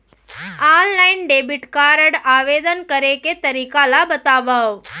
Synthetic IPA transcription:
aːnlainɖebiʈkaɾəɽaʋed̪ənkəɾeket̪əɾikalabət̪aʋaʋ

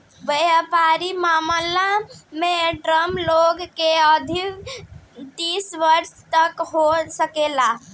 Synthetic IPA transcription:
bəjəpaɾimaməlameɖɾəmloɡkeəd̪ʱi | t̪isʋəɾst̪əkɦosəkela

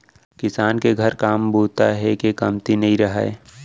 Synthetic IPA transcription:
kɪsaːnkeɡʱəɾkaːmboːt̪aɦɛkekɐmt̪inɐɦĩɾɐɦa̰e

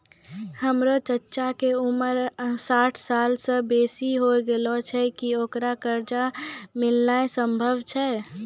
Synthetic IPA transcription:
həmɾot͡ʃətːʃakeuməɾsaːʈʰsalsə̃beːsiɦoɡelɔt͡ʃʰɛkioːkɾakəɾd͡ʒamɪlnaesəmbʱəbt͡ʃʰɛ

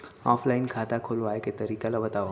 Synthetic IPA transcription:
ɔːfʰlaɪnkʰaːt̪akʰoːloaːeket̪ɐɾiːkalabɐt̪aːo

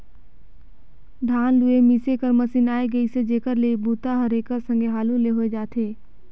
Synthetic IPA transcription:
ɖʱaːnlʊemisekəɾmɐsɪnaːeɡɐised͡ʒeːkəɾleibuːt̪aɦɐɾeːkəsə̃ŋɡeɦaːlũleɦoed͡ʒaːt̪eː

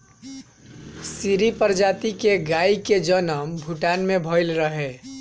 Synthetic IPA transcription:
siɾipəɾd͡ʒaːt̪ikeɡaːiked͡ʒənəmbʱuʈaːnmẽbʱəɪlɾəɦe

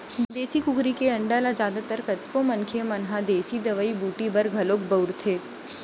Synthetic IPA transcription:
d̪eːsikʊkɾikeɐ̃ɳɖalad͡ʒjaːd̪at̪əɾkɐt̪komɐnkʰemɐnɦad̪eːsid̪ɐʋəibuːʈibɐɾɡʱɐloːkbɐɾt̪ʰeː

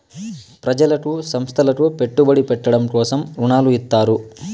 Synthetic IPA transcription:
pɾɐd͡ʒɐlɐkusɐmst̪ʰɐlɐkupe̞ʈːubɐɽipɛʈːɐɽɐmkɔːsɐmuɳaːluit̪ːaːɾu

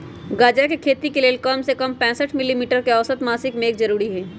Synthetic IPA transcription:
ɡaːd͡ʒakekʰeːt̪ikeleːlkɔmsekɐmpɛ̃ːsəʈʰmɪlimiːʈəɾkeɐʋsət̪maːsɪkmẽeːkzɐɾuːɾiɦɛː

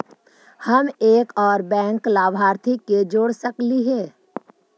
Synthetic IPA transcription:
hɐmeːkɔːɾbɛ̃ːŋklaːbʱaːɾt̪ʰiked͡ʒoːɽsəkliɦɛː

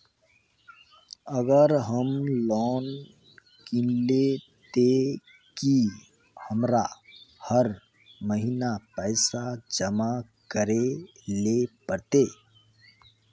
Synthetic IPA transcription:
əɡəɾɦəmlɔːn | kĩnle | t̪e | ki | həmɾahəɾ | məɦinapɛːsad͡ʒəmakəɾelepəɾt̪e

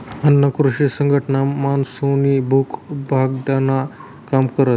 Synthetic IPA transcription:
ənːəkɾuʂisəŋɡʱəʈɳamansunibʱukbʱaɡ̚ɖana | kamkəɾət̪

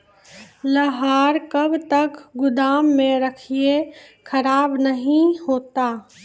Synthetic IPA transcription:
lɐɦaːɾkɐbt̪ɐkɡʊd̪aːmːẽɾɐkʰiekʰəɾaːbnɐɦĩhoːt̪aː

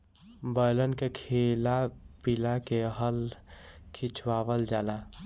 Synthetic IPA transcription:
bəjlənkekʰelapilakeɦəl | kʰit͡ʃʰwaːʋəld͡ʒaːla

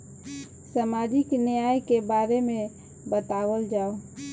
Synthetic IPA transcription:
səmad͡ʒiknɪjajkebaɾemẽ | bət̪awəld͡ʒaːo

